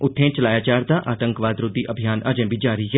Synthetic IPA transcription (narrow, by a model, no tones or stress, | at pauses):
ʊt̪ʰːẽːt͡ʃəlaːjaːt͡ʃaːɾd̪aːʔaːt̪ə̃ŋkʋaːd̪ɾʊd̪ːiːʔəbʱijaːna̰d͡ʒẽːʋiːd͡ʒaːɾiiːɦɛː